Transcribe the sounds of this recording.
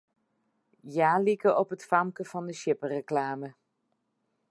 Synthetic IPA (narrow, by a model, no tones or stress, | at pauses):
jaːlikəʔɔpətfamkəfɑndəʃjɪpərəklaːmə